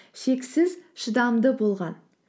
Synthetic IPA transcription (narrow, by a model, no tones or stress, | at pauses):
ʃe̞ksɪzʃəd̪ɑmd̪əbo̞lˠʁɑn